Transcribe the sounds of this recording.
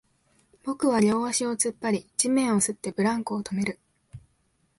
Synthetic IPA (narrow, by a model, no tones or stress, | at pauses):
b̥o̞kɯ̟βaɾʲo̞ːβaɕio̞t͡sɨpːaɾʲid͡ʑimẽ̞ɰ̃o̞sɨt̪ːe̞bɯ̟ɾãŋkɯːt̪o̞me̞ɾɯ̟